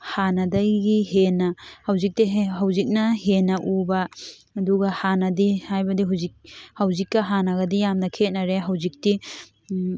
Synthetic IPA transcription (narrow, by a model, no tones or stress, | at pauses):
hanadajɡihenahawzik̚tiɦawzik̚nɐhenaʔubaː | duɡahanɐdihajbɐdiɦawzik̚hawzikːɐɦanaɡɐdijamnɐkʰet̚naɾeɦawzik̚ti